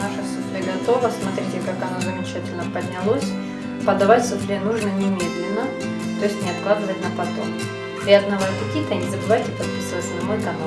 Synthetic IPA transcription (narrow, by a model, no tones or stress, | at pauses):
naʂəfsʊt̪ʲiɡɐt̪o̞vəsmɐt̪ɾʲitʲɪkakɐnozəmʲɪt͡ɕɛtʲɪlʲnəpəd̪ʲnʲɪlˠo̞sʲ | pəd̪ɐvatʲsʊt̪lʲinuʐnənʲɪmʲed̪lʲɪnːə | t̪o̞jɪsʲtʲnʲɪɐt̪klˠad̪ɨvətʲnəpɐt̪o̞̰m | pɾʲɪɐd̪nɐvak̪ɐkʲit̪ənʲɪzəbɨvajtʲɪpɐt̪pʲɪsʲɛsʲnɐmojkɐna